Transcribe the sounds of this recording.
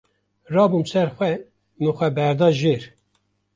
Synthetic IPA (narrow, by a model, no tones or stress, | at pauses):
rɑːbumsɛɾxʷɛ | mɨxʷɛbɛɾd̪ɑːʒeːɾ